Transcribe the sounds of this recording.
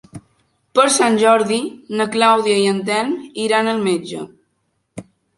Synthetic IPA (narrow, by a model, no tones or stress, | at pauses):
pəɾsanʲʒɔɾðinəklawðiəiənt̪̬ɛniɾanəlˠmed͡ʒə̰